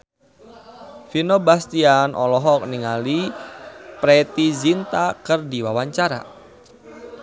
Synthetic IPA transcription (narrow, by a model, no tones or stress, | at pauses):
finobast̪ianʔɔ̰lɔɦɔk̚niŋali | pɾɛt̪izint̪akərdiwawaɲt͡ʃaɾa̰